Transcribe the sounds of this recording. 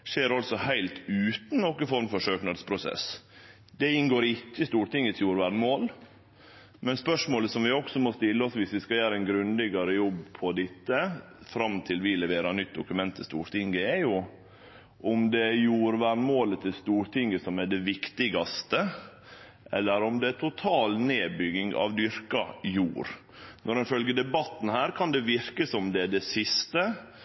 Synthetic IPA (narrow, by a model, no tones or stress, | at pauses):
ʂeːɾɑlsɔhæɪlt̪ʉːt̪n̩nɔkːɪfɔɾmfɔʂøːknɑd̪spʰɾʊsɛ̰s | d̪ɛɪnɡoːɾɪcːəst̪uːɾʈ̪ɪŋːət̪sjuːɾʋæɳmoːl | mɛnspœʂmoːləsɔmʋɪɔksɔmɔst̪ɪlːəɔsʋɪsʋɪskɑjæːɾəɛnɡɾʉnd̪ɪɡɑɾəjɔbːpʰɔd̪ɪt̪ːə | fɾɑmt̪ʰɪlʋɪlɛʋeːɾɑnʏt̪̚ːd̪ʊkʉmɛnt̪ʰːɪst̪ṵːɾʈ̪ʰɪŋɡəɛɾjʊ | ʔɔmd̪ɛjuːɾʋæɳmoːlət̪ʰɪlst̪uːɾt̪ʰɪŋːəsɔmæɖɛʋɪkt̪ɪɡɑst̪ə | ʔɛ̰lːəɾɔmd̪ɛæt̪ʰʊt̪ʰɑːlneːbʏɡɪŋɑ̰ʋd̪ʏɾkɑjuːɾ | nʔɔɾɪnfœlɡəd̪ɛbɑt̪ːn̩hæːɾkʰɑnd̪ɛʋɪɾkəsɔmd̪ɛɖ̪ɛsɪst̪ə